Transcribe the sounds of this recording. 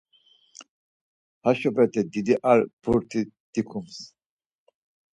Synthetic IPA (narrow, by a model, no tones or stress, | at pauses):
haʃɔbɾɛt̪ʰɛd̪id̪iʔaɾb̥uɾt̪ʰid̪̥ikʰums